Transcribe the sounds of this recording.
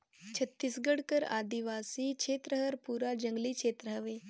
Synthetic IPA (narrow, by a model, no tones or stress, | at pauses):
t͡ʃʰɐt̪ːisɡəɽkəɾa̰ːd̪iʋaːsikt͡ʃʰeːt̪ɾəɦəɾpuːɾad͡ʒə̃ŋɡliːt͡ʃʰeːt̪ɾəɦəʋeː